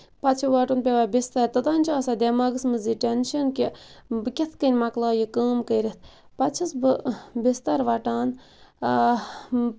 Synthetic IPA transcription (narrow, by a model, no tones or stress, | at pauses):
pɐt̪t͡ʃʰiʋaːʈunpʲeʋaːbist̪ɐɾt̪ɨd̪aːnʲt͡ʃʰaːsaːd̪emaːɡɨsmɨziʈenʃɐnkʲibɨkʲet̪ʰkənʲmaklaːjikəːmkəjɾit̪̚ʰ | pɐt̪t͡ʃʰisbɨbist̪ɐɾʋaʈaːn